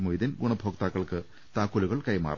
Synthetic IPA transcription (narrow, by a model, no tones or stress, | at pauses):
mujd̪ɐnɡuɳɐbʱoːk̚t̪aːkːɐɭkɨ | t̪aːkːuluɣɐɭkɐjma̰ːr